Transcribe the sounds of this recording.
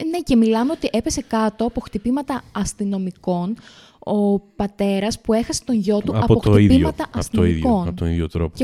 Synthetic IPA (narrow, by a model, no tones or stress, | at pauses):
ne̞ce̞milɐmeot̪iʔe̞pe̞se̞kɐt̪o̞ɐpo̞xt̪ipimɐt̪ɐɐst̪ino̞miko̞n | opɐt̪e̞ɾɐspue̞xɐse̥t̪o̞ɲʝo̞t̪uɐpot̪xoiiðiomɐt̪ɐʔɐst̪ioiko̞nt̪onḭʝot̪ɾope